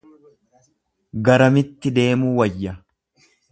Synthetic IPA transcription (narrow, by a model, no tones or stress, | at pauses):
ɡɐɾɐmɪt̪ːɪd̪e̞ːmuːwɐjːɐ